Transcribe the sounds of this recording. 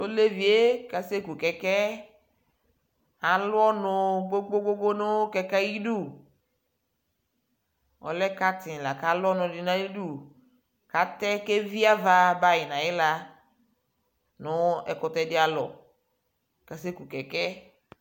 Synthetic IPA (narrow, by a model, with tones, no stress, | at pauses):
o˦le˦vi˨e˦ka˨se˦ku˨kɛ˨kɛ˦ | a˨lʊ˦ɔ˦nʊ˦ɡ͡bo˦ɡ͡bo˦ɡ͡bo˦ɡ͡bo˦nʊ˦kɛ˨kɛ˦ji˦du˦˨ | ɔ̰˨lɛ˦ka˦t̪ɪ̃˨la˨ka˨˦lɔ˦nʊ̃˨dɪ˨nã˦ji˦du˦ | ka˨t̪ɛ˦ke˦vi˦a˦va˦ba˨jɪ˨nã˨jɪ˦la˨ | nʊ˦ɛ̰˨kʊ˨t̪ɛ˦dɪ˦a˨lɔ̰˨ | ka˨se˦ku˨kɛ˨kɛ˦